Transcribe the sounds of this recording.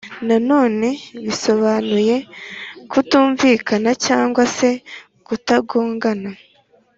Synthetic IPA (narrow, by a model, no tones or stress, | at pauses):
nano̞ːne̞βiso̞βanuje̞kutuːɱviːkanacaːŋɡwase̞ | kutaɡoːŋɡana